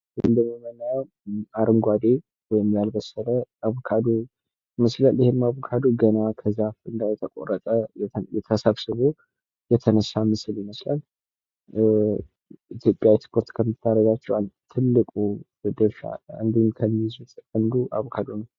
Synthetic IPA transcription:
ʔɨnd̪əmːiməna | aɾɨŋɡʷwad̪e | wɔjɪmjalbəsələaβokʰad̪o | məslalɪhemaβokʰad̪oɡənakʰəzaɨnd̪ajɛt̪ʰəkʼo̰rət̪ʼəɛjɛt̪ʰəsaβsɨβo | jɛt̪ʰənəsːamɨsɨljɪməslal | it̪ʰjo̞pʼjawspʰo̞ɾt̪kʰəmːɨt̪ʰːaɾəɡat͡ʃːɛwalt̪ʰɨlːɨkʼu | d̪əʃa̰a̰nd̪imkʰəmːizut̪ʼkʼənd̪uʔa̰βkʰad̪onəw

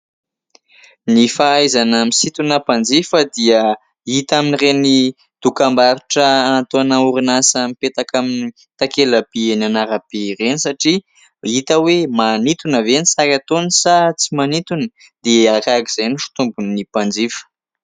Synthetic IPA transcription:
nifaajzanamisit̪unəpand͡zifəd̪iə | it̪aminireni | d̪̥ukambaɾuʈ͡ʂəanat̪oanauɾinasəmipet̪akamini | t̪akelab̥eenanaɾab̥erenisaʈ͡ʂi | it̪əwemanit̪unəvenisaɾat̪onisat͡simanit̪unə | d̪̥eakakiz̥ejniʃi̥t̪umbunnipand͡zifə̥

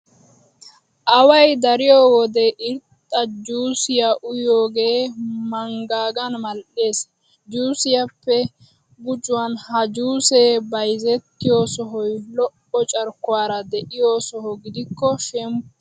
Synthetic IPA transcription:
ʔɐwɐjd̪ɐɾɪjɔwɔd̪ɛʔɪɾt̪ʼːɐd͡ʒuːsɪjaʔʊjoːɡeːmɐŋɡaːɡɐnmɐlʔeːs | d͡ʒuːsɪjɐpːɛ | ɡʊt͡ʃʼʊwanhɐd͡ʒuːseːbɐjzɛt̪ːɪjoːsɔɦɔjlɔʔːɔt͡ʃʼɐɾkːʊwaːɾɐd̪ɛʔɪjoːsɔhɔɡɪd̪ɪkːɔʃɛm

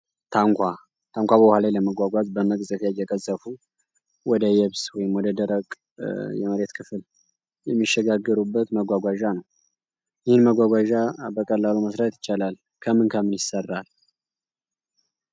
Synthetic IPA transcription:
t̪ʰaŋkʷʰa | t̪ʰaŋkʷabəbhalajləməɡʷaɡʷazbəməkʼzʼəfjajɛkʼəzʼːəfu | wɔd̪əjɛβswɔjɪmwɔd̪əd̪əɾəkʼ | jɛ̰məɾet̪kʰɨfl | jɛmːiʃːɛɡaɡːəɾubːət̪məɡʷaɡʷaʒanəw | jɪhɨnməɡʷaɡʷaʒabəkʼəlːaluməsɾat̪jɪt͡ʃːalal | kʰəmɨnkʰəmːɨnjɪsərːal

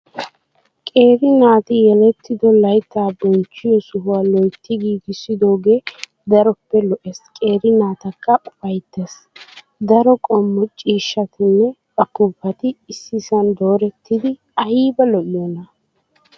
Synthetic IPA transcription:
kʼe̞ːɾɪnaːt̪ɪjɛlɛt̪ːɪd̪ɔlɐjt̪ːaːbɔnt͡ʃːɪjɔsʊɦʊalɔjt̪ːɪɡiːɡɪsːɪd̪oːɡe̞ː | d̪ɐɾɔpːɛlɔʔɛskʼe̞ːɾɪnaːt̪ɐkːɐʊfɐjt̪ːes | d̪ɐɾɔkʼɔmːɔt͡ʃʼiːʃːɐt̪ɪnːɛbɐkːʊpːɐt̪ɪːsːɪsɐnd̪o̞ːɾɛt̪ʰːɪd̪ɪ | ɐhiːbɐlɔʔɪjɔnɐ

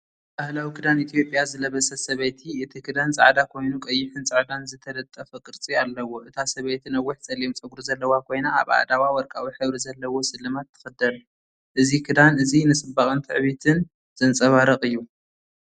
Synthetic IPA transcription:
bahlawikʰɨd̪anit̪ʰijo̞pʼjazɨlɐβɐsɐsɐβɐjt̪ʰiɨt̪ʰikʰɨd̪ant͡sʼa̰ʕd̪akʰo̞jnukʼɐjːɪħɨnt͡sʼaʕd̪anzɨt̪ʰɐlɐt̪ʼːɐfɐkʼɨɾt͡sʼialːɐwo̞ʔɨt̪ʰasɐβɐjt̪ʰɨnɐwːiħt͡sʼɐliomt͡sʼɨɡuɾuzɐlːɐwakʰo̞jnaa̰βa̰ʕd̪awawɔɾkʼawiħɨβɾizɐlːɐwo̞sɨlːɨmat̪ʰːɨ̥xɨd̪ɐl | ʔɨzikʰɨd̪anɨzinɨsʼɨbaχʼɨnt̪ʰɨ̰ʕβit̪ʰɨn | z̥ɨnt͡sʼɐβaɾɐχʼɨjːu

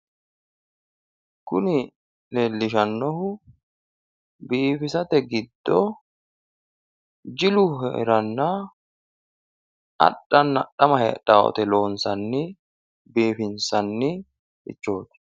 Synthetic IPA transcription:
kʊnɪ | leːlːɪʃ̬ɐnːɔhʊ | biːfɪsɐt̪ɛɡɪd̪ːɔ | d͡ʒɪlʊhɛ̰ɾɐnːa | ʔɐ̰ɗːɐnːɐɗɐmɐhɛ̰ᶑaːʔɔ̰t̪ɛlo̞ːnsɐnːɪ | biːfɪnsɐnːɪ | ʔɪ̰t͡ʃːo̞ːt̪ɛ̥

